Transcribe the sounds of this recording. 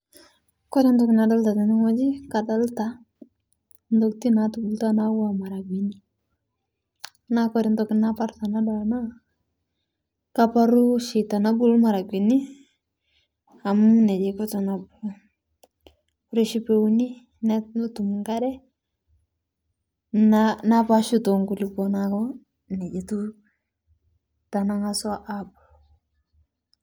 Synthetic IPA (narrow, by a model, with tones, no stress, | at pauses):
kɔ˦ɾi˦ndɔ˦kna˨da˦lta˨tɛ˨nɪ˦ŋɔ˦d͡ʒi˦ka˨da˦lta˨ | ndɔ˦k̚ti˦na˨tubu˨lta˦na˦wa˨ma˨ɾa˨ɡwi˨ni˦ | na˦kɔɾɪ˨ndɔ˨knapa˦ɾta˨na˦dɔ˨na˦ | kapa˦ɾu˦ʃɪ˨ta˨na˨bu˦˨lma˨ɾa˨ɡwi˨ni˦ | a˨mnɛ˨d͡ʒe˨kɔta˨na˨bul | ɾe˦ʃi˦pe˦u˦ni˦ | nɛtm˦tumŋka˦ɾɛ˦ | nanapaʃu˦to˨ŋku˨li˨kɔnakɔ˦ | nɛ˨d͡ʒe˨tu˦ | ta˨na˦ŋa˦sa˦ʔabu˨l